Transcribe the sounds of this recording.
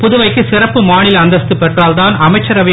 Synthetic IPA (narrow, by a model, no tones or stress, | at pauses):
pʊðʊʋɐɪkːɯsɪrɐpːɯmaːɳɪlɐnd̪ɐst̪ɯpɛʈraːlt̪aːnɐmɐɪt͡ʃːɐɾɐʋɪ